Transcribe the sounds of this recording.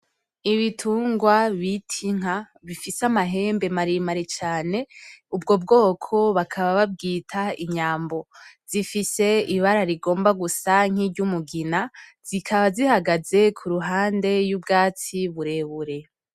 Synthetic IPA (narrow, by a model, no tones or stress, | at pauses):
iβitʰuːŋɡwaβitʰiŋ̥a | βifisamaɦe̞ːmbe̞maɾimaɾet͡ʃaːne̞ubɡo̞b̚ɡo̞ːkʰo̞βakʰaβaβab̚ɡiːtʰaiɲaːmbo̞z̥ifise̞iβaɾaɾiɡo̞ːmbaɡusaŋ̥iɾɟumuɡinaz̥ikʰaβazihaɡaze̞kʰuɾuɦaːnde̞jubɡaːt͡siβuɾe̞βuɾe̞